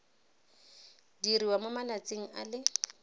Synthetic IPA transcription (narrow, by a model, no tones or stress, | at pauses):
diriwamʊmalat͡sʼeŋ̩a̰lɪ